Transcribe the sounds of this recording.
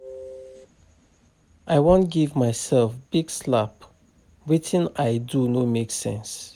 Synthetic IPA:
ʔajwõnt̚ɡivmaɪsɛlfb̥iɡslap | witʰɪ̃najdunomeksɛ̰̃ns

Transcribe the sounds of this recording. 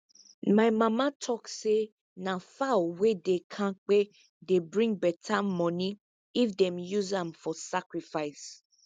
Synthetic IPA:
maɪmãmãtʰɔkse | nãfaowedekʰãk͡pe | debɹĩŋbɛtʰamɔ̃nĩ | ifdɛ̃mjuzãmfɔsakɹifaɪs

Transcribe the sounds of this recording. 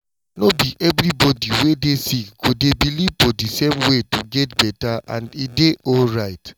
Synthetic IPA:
nobiʔɛvɹibɔdiwedesikɡ̥odebilivfɔdisẽmwetuɡɛtbɛtaʔã̰ndideʔɔlɹaɪt

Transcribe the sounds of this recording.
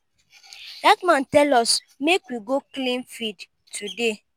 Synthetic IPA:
d̥akmãntɛlɔs | mekwiɡoklĩnfid | tʰude

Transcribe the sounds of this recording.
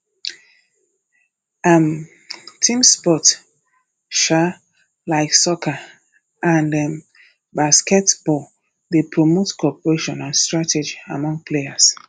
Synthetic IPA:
am | tʰĩmspɔt | ʃa | laɪksɔka | ʔãndɛm | baskɛtb̥ɔl | ðepʰɹɔmotkʰɔpəɹeʃɔ̃nãnstɹatʰɛd͡ʒiamɔ̃ŋɡ̚pʰleas

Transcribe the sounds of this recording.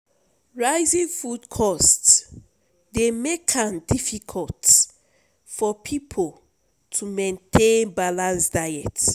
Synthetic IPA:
ɹaɪzĩŋfudkʰɔsts | demekʰãndifikʰɔlt | fɔpʰipʰol | tʰumẽntʰẽnbalãnsdaɛt

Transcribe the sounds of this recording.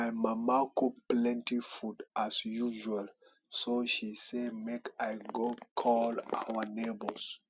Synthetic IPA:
amamakuplɛ̃ntifudʔasjuʒual | soʃisemekajɡokʰɔla̰wənebols

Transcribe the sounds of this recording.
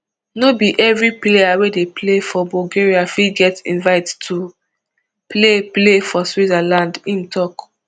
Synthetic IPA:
nobiʔɛvɹiplejawedeplefɔbɔɡeɹiafiɡɛtḭ̃nvaɪttʰu | pleplefɔswidalãndĩmtʰɔk

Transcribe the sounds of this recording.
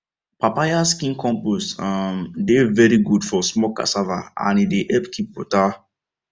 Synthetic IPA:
papajaskĩnkʰɔ̃mposamdevɛɾiɡudfɔsmɔka̰savaã̰nideʔɛpkʰipːota

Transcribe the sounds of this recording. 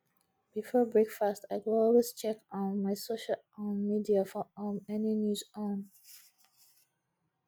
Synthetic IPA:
b̥ifɔbɹekfastaɪkɔlwest͡ʃɛkɔ̃nmaɪsoʃəl | ɔ̃nmidiafɔɔnɛninjuzõn

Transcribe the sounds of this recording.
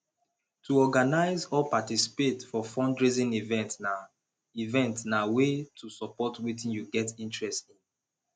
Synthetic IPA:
tʰuɔɡanaɪzɔlpatisi̥petfɔfɔ̃ndɹizĩnivɛ̃ntna | ivɛ̃ntnawetʰusɔpɔtwitĩnjuɡɛtĩntɹɛstĩn

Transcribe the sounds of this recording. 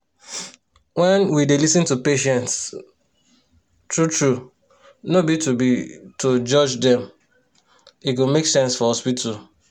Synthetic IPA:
wɛ̃nwidelisĩntupeʃɛ̃nts | tɹutɹu | nobitubitʰod͡ʒʌd͡ʒdɛ̃m | iɡomeksɛ̃nsfɔhɔspitʰal

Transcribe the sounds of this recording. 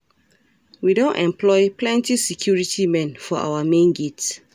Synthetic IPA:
widõntɛ̃mplɔɪplɛ̃ntisikʰjuɹitʰimɛ̃nfɔʔa̰wamẽnɡits

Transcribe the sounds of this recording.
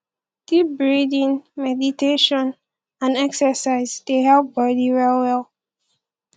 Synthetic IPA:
ɡ̥ip̚bɹidĩnmɛditeʃɔ̃n | ãnɛksəsaɪzdeɦɛlˠp̚bɔdiɹɛlwɛlˠ

